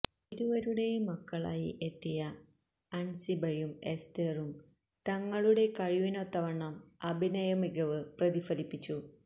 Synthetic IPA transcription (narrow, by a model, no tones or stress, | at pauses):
iðuʋɐɾuɽe̞jumɐkːɐɭa̰ːjḭʔet̪ːijɐɐnsibʱɐjumest̪erum | t̪ɐŋːɐɭuɽe̞kɐɻiʋinot̪ːɐʋɐɳɐmɐbʱinɐjɐmiɡɐʋɨprɐðifɐlipːit͡ɕːu